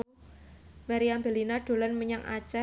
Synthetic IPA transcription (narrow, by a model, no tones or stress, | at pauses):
maɾiambelinaɖ̥o̤lanməɲaŋʔa̰t͡ʃa